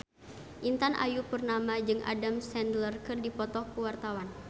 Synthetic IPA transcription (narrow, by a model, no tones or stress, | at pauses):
ʔint̪anʔa̰jupərnamad͡ʒɨŋʔa̰damsɛndlərkɨrdipɔt̪ɔkuwart̪awan